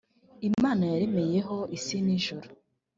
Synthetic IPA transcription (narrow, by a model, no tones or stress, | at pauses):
imanaeɾemejeɦoisiniʒuɾo